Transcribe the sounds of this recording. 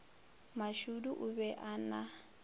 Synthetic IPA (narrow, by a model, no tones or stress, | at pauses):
maʃuduʔuβɛʔana